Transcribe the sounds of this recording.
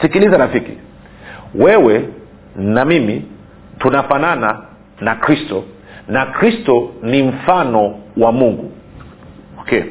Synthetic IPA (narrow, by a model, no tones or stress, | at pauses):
sikilizaɾafikḭ | wɛwɛ | namimi | tunafanana | nakɾistɔ | nakɾistɔnim̩fanɔwamuŋɡṵ | ɔkɛ